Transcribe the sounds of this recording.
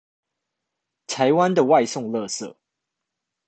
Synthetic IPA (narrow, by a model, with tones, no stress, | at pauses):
t̪ʰa˨˦ɪwa˦nd̪ə˨wa˥˧ɪsʊ˥˨ŋlɤ˥˧sɤ̰˥˩